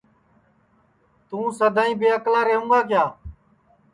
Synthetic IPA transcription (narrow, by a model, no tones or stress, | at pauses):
t̪ũːsəd̪ʱaːĩːbeːəklaːɾeːɦũːŋɡaːkɪjaː